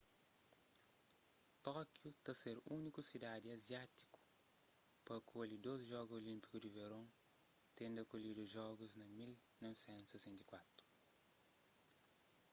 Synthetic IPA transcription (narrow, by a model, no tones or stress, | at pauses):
t̪ɔkjut̪ɐseɾunikusid̪ad̪iɐzjat̪i̥ku̥ | pɐkʰolid̪oziʒɔɡuzolĩmpi̥kud̪iveɾõt̪ẽnd̪ɐkolid̪uʒɔɡuznɐmilnɔvsẽnt̪usɛsẽnt̪ikwat̪ɾu̥